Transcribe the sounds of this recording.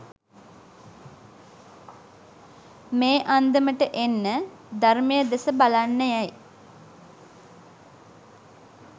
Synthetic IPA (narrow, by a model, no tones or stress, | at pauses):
meːʔand̪əməʈəʔenːə | d̪armejəd̪esəbalanːəjɛj